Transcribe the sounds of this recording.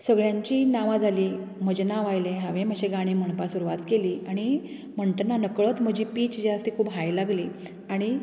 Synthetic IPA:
səɡɭjãɲt͡ɕiːnaʋad͡zʱaliːm̤əd͡ʑenaʋajleɦãʋẽm̤əɕʰeɡaɽ̃iːm̤əɳ̃pasuɾuʋat̪keliːaɽ̃i | m̤əɳʈənanəkɭət̪m̤əd͡ʑiːpiːt͡ɕd͡ʑast̪ikʰuːbɦajlaɡliː | aɽ̃i

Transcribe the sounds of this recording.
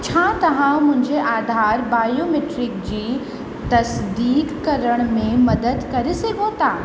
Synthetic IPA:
t͡ɕʰaːt̪ɐʋ̤ãmʊ̃ɦɪ̃ɲd͡ʑeʔaːd̪ʱaːɾbaːjomeːʈɾɪk̚d͡ʑiː | t̪ɐsd̪iːkːɐɾəɽ̃mẽmɐd̪əd̪kɐɾeseɡʱõt̪aː

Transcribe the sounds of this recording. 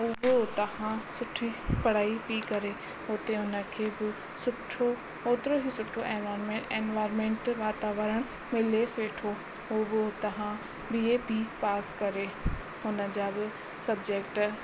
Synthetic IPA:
ʊbɪt̪ɐʋãsʊʈʰipɐɽaːipikɐɾe | ʊt̪eʊnə̆kʰeːbɪ | sʊʈʰo | oːt̪ɪɾoɦisʊʈʰoeːnʋaːɪɾmẽẽːnʋaːɪɾmẽːɳʈʋaːt̪aːʋəɾəɽ̃ | mɪleːsʋeːʈʰo | ɦoːbɪot̪ɐɦã | biepipaːskɐɾe | ɦʊnə̆d͡ʑaːbɪ | sɐbd͡ʑeːkʈ

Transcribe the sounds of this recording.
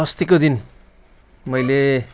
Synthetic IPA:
ʌst̪ikod̪in | mʌjle

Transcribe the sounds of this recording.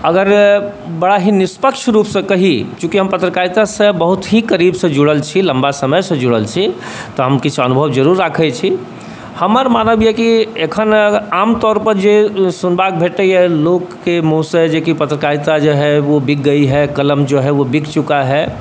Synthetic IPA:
əɡəɾbəɽaɦinispəkʃʰɾuːpsə̃kəɦikjũkiɦəmpət̪ɾəkait̪asə̃bəɦut̪ɦikəɾibsə̃d͡ʒuɽəlt͡ʃʰiləmbasəməjsə̃d͡ʒuɽəlt͡ʃʰi | t̪ɔɦəmkit͡ʃʰənubʱəʋd͡ʒəɾuɾːakʰət͡ʃʰi | həməɾmanəbjɛkiekʰənamt̪ɔːɾpəɾd͡ʒesunbak̚bʱeʈəɛlokːemusəd͡ʒekipət̪ɾəkait̪ad͡ʒoɦɛʋobik̚ɡəiɦɛkələmd͡ʒoɦɛʋobikt͡ʃukaɦɛ

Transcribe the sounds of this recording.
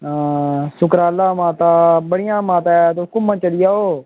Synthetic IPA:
sʊkɾaːlaːmãːt̪aːbəɽɪjãːmãːt̪at̪okʊmːãːt͡ʃəɽɪjaːoː

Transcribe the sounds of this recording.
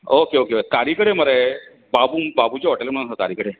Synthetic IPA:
okeokeoet̪aɾiːkəɽeməɾe | babuːbabut͡ɕeɦoʈelməɽ̃nsət̪a̰ɾiːkəɽe

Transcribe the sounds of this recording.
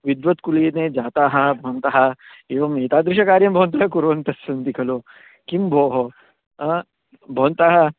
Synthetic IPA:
ʋid̪ʋɐt̪kuleːned͡ʒaːt̪aːɦɐbʱɔːnt̪aɦɐ | eːʋɐmeːt̪aːd̪ɾɪʃ̬ɐkaːɾjɐmbʱoːnt̪ɐɦɐkuɾʋɐnt̪ɐsːɐnd̪ikʰɐloː | kimbʱoːɦo | bʱoːnt̪aːɦɐ

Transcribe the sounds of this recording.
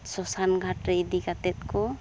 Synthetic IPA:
sɔsanɡʱaʈɾeid̪ikat̪ɛt̪̚kɔ

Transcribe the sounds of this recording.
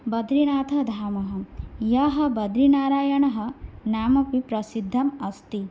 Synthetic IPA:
bɐd̪ɾinaːt̪ʰɐd̪ʱaːmɐɦɐjɐɦɐbɐd̪ɾinaːɾaːjɐɳɐɦɐ̆naːmɐpipɾɐsid̪ʱːɐmɐst̪i

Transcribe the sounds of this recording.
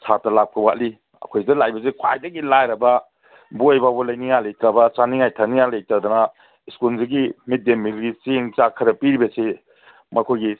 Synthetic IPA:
sʰatɐlap̚kʰɐwat̚li | ɐ̰kʰojdɐlajbɐs̬ekʰa̰jdɐɡilajɾɐbɐ | buojbabɔlajniŋajlejtɾabɐt͡ʃaniŋajtʰaniŋalejtɾad̪ɔna | skulziɡimit̚demːilɡit͡ʃeŋt͡ʃakʰɐɾɐpiɾibɐse | mɐkʰojɡi

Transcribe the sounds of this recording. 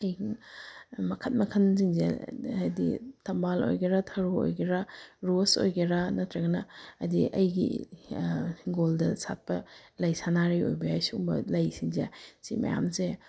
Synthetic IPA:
ɐj | mɐkʰɐt̚mɐkʰɐnziŋzḛɐjdḭtʰɐmbalo̰jɡeɾɐtʰɐɾoo̰jɡeɾaɾoso̰jɡeɾanɐtʰɾɐɡɐnɐːdiʔɐ̰jɡḭ | ɡoldɐsa̰t̚pɐlɐjsanaɾio̰jbɐajsuumbɐ̰lɐjsiŋzesimɐ̰ja̰mse

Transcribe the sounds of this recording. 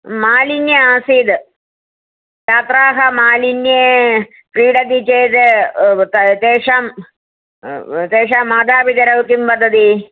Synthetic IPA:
maːlinjɐaːsiːd̪ | tat̪ɾaːɦɐmaːlinjeː | pɾiːɽɐd̪it͡ʃeːd̪t̪ɐt̪eːʂam | t̪eːʂaːmaːd̪aːbid̪ɐɾɐʋkimpɐd̪ʱɐd̪i

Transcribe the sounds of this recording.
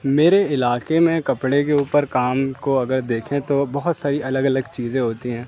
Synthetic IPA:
meːɾeɪlaːkemẽkɐpɽekeuːpəɾkaːmkoɐɡəɾd̪eːkʰẽt̪obɐɦʊt̪saːɾiʔɐləɡɐləɡt͡ʃiːzẽɦoːt̪iɦɛ̃ː

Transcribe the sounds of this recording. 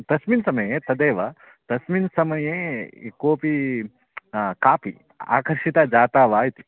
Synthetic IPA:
t̪ɐsminsɐmɐjeːt̪ɐd̪eːʋɐ | t̪ɐsminsɐmɐjeːkoːpi | kaːpḭ | a̰ːkɐɾʃit̪ad͡ʒaːt̪aːʋaːjt̪i̥

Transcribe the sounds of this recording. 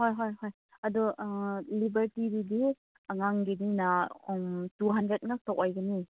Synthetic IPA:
hojɦojɦoj | ɐdulibəɾtiɾidi | aŋaŋɡidinamtuɦandɾet̚ŋak̚tawʔajɡani

